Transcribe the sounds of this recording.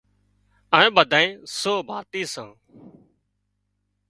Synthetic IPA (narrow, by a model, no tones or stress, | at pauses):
əːẽːɓəd̪ʱaːẽːsoːbʱaːt̪iːsãː